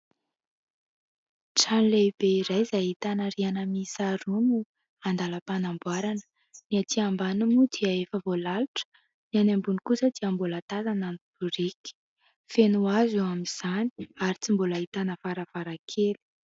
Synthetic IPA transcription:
ʈ͡ʂanleb̥eiɾajzajit̪anəɾianəmisaɾunu | and̪aləpanambuaɾanə̥ | niat̪iambanumud̪iaefəvolaluʈ͡ʂə̥ | nianambunikusəd̪iambolət̪azananub̥uɾiki̥ | fenuazuwamiz̥ani̥aɾit͡simboləit̪anəfaɾəvaɾakʰeli̥

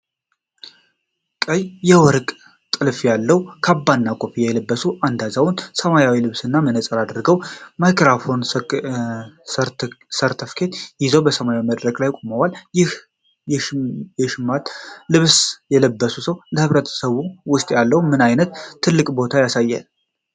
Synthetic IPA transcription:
kʼəjjɛwɔɾkʼ | t̪ʼɨlfjalːəwukʰabːanːakʼopijɛləbːəsuʔand̪azawʊnsəmajawilɨβsɨnːamənəsʼəɾad̪ɾɡəwmajkɾafo̞n | səɾt̪ʰəfkʰe̞t̪jɪzəwbəsəmajawiməd̪ɾəkʼlajkʼoməwaljɪh | jɛʃɪmːat̪lɨβsjɛləbːəsusəwləhɨβɾət̪ʰə̥səβuwʊst̪ʼjalːəhumɨnajnət̪t̪ʰːɨlːɨkʼbo̞t̪ʰajasajːa̰l

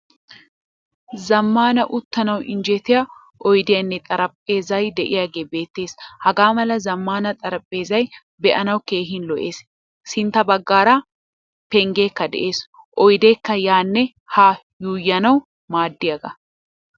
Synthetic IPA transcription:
zɐmːaːnɐʔʊt̪ːɐnɐwɪ̰nd͡ʒɛt̪ɪjɐ | ʔɔjd̪ɪjɐnːɛt̪ʼɐɾɐpʼːe̞ːzɐjd̪ɛʔɪjaːɡeːbe̞ːt̪ːe̞ːshɐɡaːmɐlɐzɐmːaːnɐt̪ʼɐɾɐpʼːe̞ːzɐj | bɛʔɐnɐwke̞ːɦɪnlɔʔe̞ːs | sɪnt̪ːɐbɐɡːaːɾa | pɛŋɡeːkːɐd̪ɛ̰ʔe̞ːs | ʔɔjd̪e̞ːkːɐjaːnːɛ | haː | juːjːɐnɐw | maːd̪ːɪjɐɡɐ

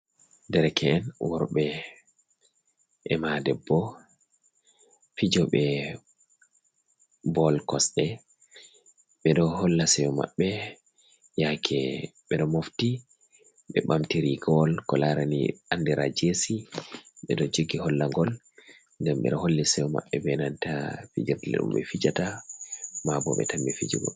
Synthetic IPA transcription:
dɛɾɛkʰɛːnwɔɾɓɛ | ʔɛmadɛbːɔ | fid͡ʒɔɓɛ | bɔlkɔsɗɛ | ɓɛɗɔhɔlːasɛwɔma̰ɓːɛ | jakʰɛɓɛɗɔmofti | ɓɛɓamtiɾiɡɔlkɔlaɾanḭandiɾa̰d͡ʒesiɓɛɗɔd͡ʒoɡihɔlːaŋɡɔl | ŋɡamɓɛ̰ɗɔholːisɛjɔma̰ɓːɛbɛnantafḭd͡ʒiɾtlɛ̰ɗṵmɓɛ̰fid͡ʒata | mabɔ̰ɓɛ̰tambɛfid͡ʒṵɡɔ̰

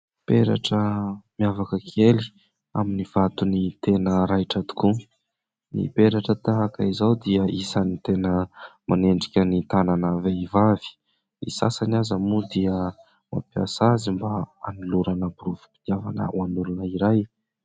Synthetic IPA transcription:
peɾa̰ʈ͡ʂəmiavakəkʰeli̥ | aminiv̥at̪unit̪enəɾajʈ͡ʂat̪u̥ku | nḭpeɾaʈ͡ʂət̪aɦakaizawd̪iəʔisanit̪enəmʔa̰neɳɖ͡ʐikʲənit̪ananaveivavi̥ | ḭsa̰sanazamud̪iə | ma̰piasazimbaaniluɾanabuɾuvu̥pid̪javanə̰anulunəiɾaj

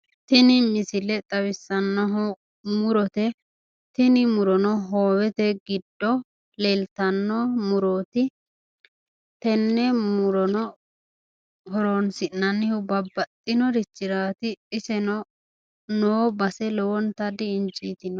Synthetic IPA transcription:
t̪ɪnɪmɪsɪlɛt̪ʼɐwɪsːɐnːɔɦ | mʊɾɔt̪ɛ | t̪ɪnɪmʊɾɔnɔɦoːwɛt̪ɛɡɪd̪ːɔ | lelt̪ɐnːɔmʊɾoːt̪ɪ | t̪ɛnːɛmʊɾɔnɔ | hɔɾonsɪnːɐnːɪhʊbɐbːɐt̪ʼːɪnɔɾɪt͡ʃːɪɾaːt̪ɪːsɛnɔ | noːbɐsɛlɔwɔnt̪ɐd̪ɪːnt͡ʃʼiːt̪ɪnɔ

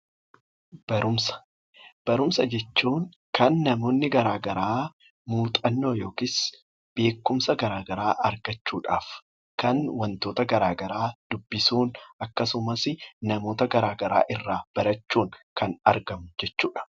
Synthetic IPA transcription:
b̥ɐɾʊmsɐ̥ | b̥ɐɾʊmsɐd͡ʒɛt͡ʃːuːŋ | kɐnːɐmo̞ːnːɪɡɐɾaːɡɐɾaː | muːt̪ʼɐnːo̞ːjo̞ːkɪs | b̥e̞ːkːʊmsɐɡɐɾaːɡɐɾaːʔɐɾɡɐt͡ʃːuːᶑa̰ːf | kɐnwɐnt̪o̞ːt̪ɐɡɐɾaːɡɐɾaːd̪̥ʊbːɪsuːnɐkːɐsʊmɐsɪnɐmo̞ːt̪ɐɡɐɾaːɡɐɾa̰ːʔɪrːaːb̥ɐɾɐt͡ʃːuːŋkɐnɐɾɡɐmʊd͡ʒɛt͡ʃːuːᶑɐ̥

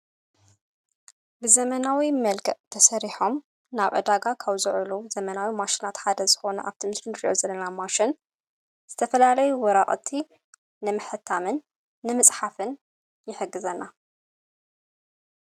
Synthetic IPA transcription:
bɨzɐmɐnawimɐlkʰɐʔt̪ʰɐsɐɾiħo̞m | naβʕɨ̰d̪aɡakʰaβzɨʕɨluzɐmɐnawimaʃinat̪ħad̪ɐzɨxo̞nɐ̰ʔa̰βt̪ʰimɨsɾɨnɾiʔo̞zɐlːɐnamaʃɪn | z̥ɨt̪ʰɐfɐlalɐjuwɔɾaʔʼt̪ʰi | nɨmɨħɨt̪ʰːamɨnː | ɨmɨsʼħafɨn | jɪħɨɡːɨzɐnːa

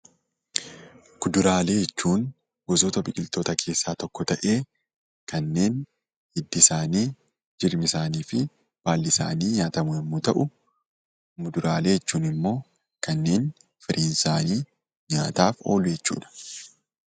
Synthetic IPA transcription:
ɡ̥ʊd̪ʊɾaːle̞ːjɛt͡ʃːuːn | ɡ̥ɔzoːt̪ɐbɪkʲʼɪlt̪oːt̪ɐkʰe̞ːsːaːt̪ɔkːɔt̪ɐʔe̞ː | kɐnːe̞ːn | hɪd̪ːɪsaːniː | d͡ʒɪɾmɪsaːniːfɪ | b̥aːlːɪsa̰ːniːɲaːt̪ɐmʊɛmːuːt̪ɐʔʊ | mʊd̪ʊɾaːle̞ːjɛt͡ʃːuːnɪmːo̞ː | kɐnːe̞ːn | fɪɾʔiːnsaːniː | ɲaːt̪aːfo̰ːlʊjɛt͡ʃːṵːᶑɐ̥

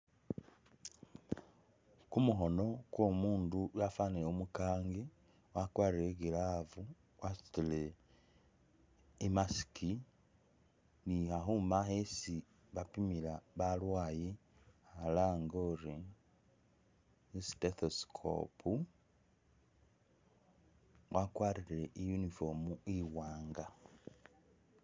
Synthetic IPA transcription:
kumuɦono̞kwomuːndujafaniomukaːŋɡe | wakwaːɾeɡelavu | wasi̥tile | imasi̥ki | nihaɦumahesi | βapimilaβalwaːje | halaːŋɡoɾi | steθoskʰo̰pʰu | wʔakwaɾiɾeʔijunifomuiwaːŋɡa

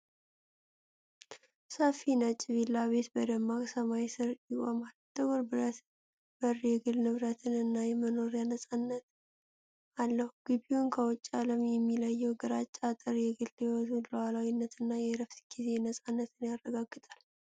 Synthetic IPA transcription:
səfinət͡ʃʼːɪβilːaβe̞t̪bəd̪əmːakʼsəmajsɨɾjikʷʼɔmalt̪ʰəɡoɾbɨɾət̪ | b̥ərːjɛɡɨlnɨβɾət̪ʰɨnɨnːajɛməno̞ɾjanəsʼanːət̪ | alːəhuɡ̥ɨbiunkʰəwɔt͡ʃʼːaləmjɛmːiləjːɛwɡəɾat͡ʃʼːat̪ʼɨɾjɛɡɨlːewɔt̪uləwalawinːət̪ɨnːajɛɾəft̪ɡ̥ize̞nəsʼanːət̪ʰɨnjarːəɡaɡːɨt̪ʼal

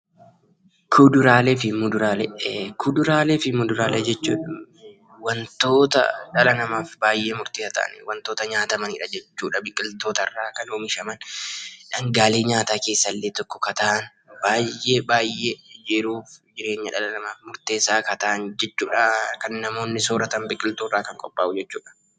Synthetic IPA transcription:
kʰʊd̪ʊɾaːleːfɪmʊd̪ʊɾaːlekʊd̪ʊɾaːleːfɪmʊd̪ʊɾaːleːd͡ʒɛt͡ʃːṵːᶑ | wɐnt̪o̞ːt̪ɐ̰ᶑɐlɐnɐmaːfbaːjʔeːmʊɾt̪iːsɐt̪a̰ʔɐ̰nwɐnt̪o̞ːt̪ɐɲaːt̪ɐmɐnḭᶑɐd͡ʒɛt͡ʃːuːᶑɐbɪkʼːɪlt̪o̞ːt̪ɐrːaːkɐnoːmɪʃɐmɐnᶑɐŋɡaːleːɲaːt̪aːke̞ːsːɐlːeːt̪ɔkːɔ̥kɐt̪ɐʔɐn | baːjːeːbaːjeːd͡ʒɛɾuːfd͡ʒɪɾe̞ːɲːɐᶑɐlɐnɐmaːfmʊɾt̪e̞ːsaːkɐt̪ɐʔɐnd͡ʒɛt͡ʃːuːᶑɐkɐnːɐmo̞ːnːɪsoːɾɐt̪ɐmbɪkʼːɪlt̪oːrːaːkɐŋkʼɔpʼːaːʔʊd͡ʒɛt͡ʃːuːᶑɐ̥

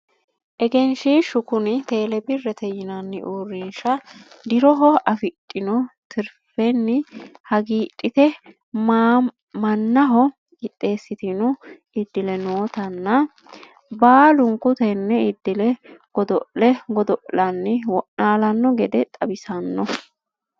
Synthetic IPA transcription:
ʔɛɡɛnʃiːʃʊkʊnɪt̪e̞ːlɛbɪrːɛt̪ɛjɪnɐnːɪ̰ʔuːrːɪnʃɐ | d̪ɪɾɔɦɔɐfɪtʼːɪnɔt̪ʰɪɾfɛnːɪhɐɡiːtʼːɪt̪ɛ | m | mɐnːɐɦɔ | ɡɪt̪ʼːe̞ːsːɪt̪ɪnʊ | ɪd̪ːɪlɛnoːt̪ɐnːɐ | baːlʊŋkʊt̪ɛnːɛɪd̪ːɪlɛɡ̥ɔd̪ɔʔlɛɡɔd̪ɔʔlɐnːɪwɔʔaːlɐnːɔɡɛd̪ɛt̪ʼɐbɪsɐnːɔ

